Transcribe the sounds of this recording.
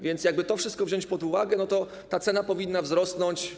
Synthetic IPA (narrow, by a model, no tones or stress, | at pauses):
vʲjɛnt̪sjaɡ̚bɘt̪ɔfʂɘst̪̚kɔvʑɔɲt͡ɕpɔd̪uvaɡɛnɔt̪ɔ | t̪at̪sɛnapɔvʲinːavzɾɔsnɔɲt͡ɕ